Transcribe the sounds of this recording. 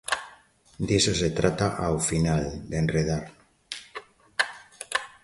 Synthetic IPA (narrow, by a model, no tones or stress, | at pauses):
d̪isoset̪ɾat̪aʔawfinald̪enreð̞aɾ